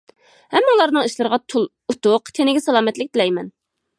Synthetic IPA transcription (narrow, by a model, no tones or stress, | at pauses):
hɛmːɑulˠɑɾnɨŋiʃlˠɨɾʁɑt̪ʰulˠ | ut̪ʊqt̪ʰenɪɡʲɛsɛlˠɑːmɛt̪lɪk̚ʲt̪ɪlɛjmɛn